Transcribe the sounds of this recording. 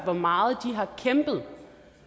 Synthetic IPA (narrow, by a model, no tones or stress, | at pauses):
ʋɒmɑ̈ːð̩ˠd̥iɦɑ̈kʰemb̥ð̞̩ˠ